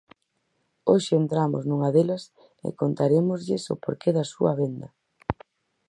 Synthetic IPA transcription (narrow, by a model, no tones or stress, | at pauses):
oʃɪent̪ɾamʊ̰znuŋɐðelɐs | ḛkont̪aɾemʊzʎɪso̰poɾkeðɐsuɐ̰βend̪ɐ